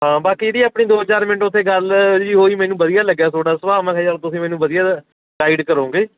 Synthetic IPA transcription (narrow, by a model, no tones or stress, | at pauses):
ɦãːbaːkiːd̪iːaːpɳiːd̪oːɦət͡ʃaːɾmɪnəʈʊt̪ʰːeːɡəld͡ʒiːɦoːiːmɛːnũːbəd̪ɪjaːləɡjaːt̪ʰoːɽaːsəʋaːmãːkʰaaːɾt̪ʊsĩːmɛːnũːbəd̪ɪjaː | ɡaːɪɖkəɾõːŋɡeː